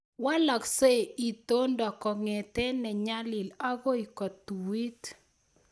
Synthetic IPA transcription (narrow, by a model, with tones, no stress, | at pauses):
wa˦la˨kse˦˨i˨t̪o˦ndɔ˨kɔ˨ŋɛ˨t̪ɛ˦nɛ˨ɲa˦lɪ˨la˦ɡo˦i˨kɔ˨t̪u˨wi˦t̪